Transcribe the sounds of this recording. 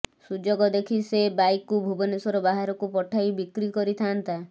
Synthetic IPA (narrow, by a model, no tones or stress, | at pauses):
sud͡ʒoɡɔd̪ekʰisebajkːubʱubɔnesɔɾɔbaɦaɾɔkupɔʈʰajbikɾikɔɾit̪ʰaːnt̪a